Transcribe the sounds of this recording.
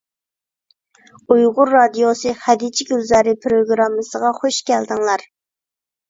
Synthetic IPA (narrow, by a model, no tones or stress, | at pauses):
ujʁʊɾːɑd̪ijosɨχæd̪it͡ʃʰiɡʲylzɑɾɨpʰɾoɡɾɑmːɨsəʁɑχoʃkʲʰɛld̪ɪŋlˠɑɾ